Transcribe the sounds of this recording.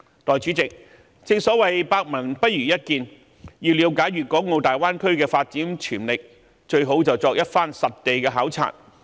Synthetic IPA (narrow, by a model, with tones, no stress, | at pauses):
t̪ɔː˨˩jt͡ʃyː˨˥t͡sɪ˨k̚ | t͡sɪ˧ŋsɔː˨˥wɐ˨jpaː˧k̚mɐ˨˩ŋpɐ˥t̚jyː˨˩jɐ˥t̚kiː˨˧n | jiː˧wliː˨˥wkaː˨˥jɥyː˨kɔː˨˥ŋo˧wt̪aː˨˩jwaː˥nkʰɵ˥ɥkɛː˧faː˧t̚t͡siː˨˥nt͡ʃʰyː˨˩nlɪ˨k̚ | t͡ʃɵ˧ɥɦo˨˥wt͡sɐ˨wt͡sɔː˧k̚jɐ˥t̚faː˥nsɐ˨t̚t̪e˨jkɛː˧ɦaː˨˥wt͡sʰa̰ː˨˩n